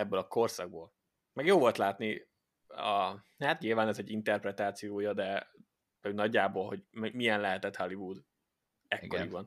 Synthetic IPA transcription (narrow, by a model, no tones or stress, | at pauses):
ɛbːølɒko̞rsɒɡ̚boːl | mɛɡjoːvo̞lt̪laːt̪ni | ɒ | haːt̪ɲilvaːnɛzɛɟint̪ɛrprɛt̪aːt̪sijoːjɒd̪ɛ | onɒɟːaːboːlho̞ɟmmijɛnlɛɦɛt̪ɛt̪hɒlivud̪ | ɛkkːoɾiɒn